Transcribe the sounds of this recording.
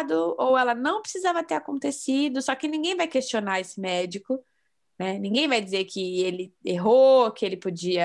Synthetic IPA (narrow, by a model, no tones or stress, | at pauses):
d̪ʊowɛlɐnɐ̃w̃pɾɪsizavɐt̪eɾakõnt̪esid̪ʊsɔkɪnĩɡẽj̃vajkest͡ʃionaɾesɪmɛd͡ʒikʊ | nɛnĩŋɡẽj̃vajd͡ʒɪzeɾkʰɪelɪeɦokɪelɪpod͡ʒiɐ